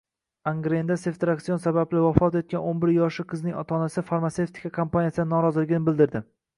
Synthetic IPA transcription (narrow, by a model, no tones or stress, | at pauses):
aŋɡɾend̪ase̞ft̪ɾak̚t̪sijonsabablɪvafɒt̪et̪̚kʲanonbɪɾjɒʃɪqʰɨznɪŋɒ̰t̪ʰɒnasɪfaɾmat̪se̞ft̪ʰɪ̥i̥kʰakʰompanijasɪd̪anɒɾɒzɪlɪɡʲɪnɪbɪld̪ɪɾd̪ɪ